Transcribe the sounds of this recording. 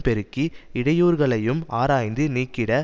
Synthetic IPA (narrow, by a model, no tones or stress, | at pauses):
pɛɾɯkːiɪɽɐjuːɾɣɐɭɐjɯmaːɾaːjnd̪ɯniːkːɪɽɐ